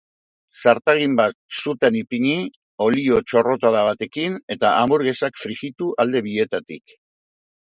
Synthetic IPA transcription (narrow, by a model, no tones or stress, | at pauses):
saɾt̪aɣ̞imbat̪̚sut̪e̞nipiɲi | o̞lio̞t͡ʃo̞ro̞t̪aðaβ̞at̪e̞kine̞t̪aʔamuɾɣe̞sakfɾiɣit̪uʔald̪e̞βie̞t̪at̪ḭk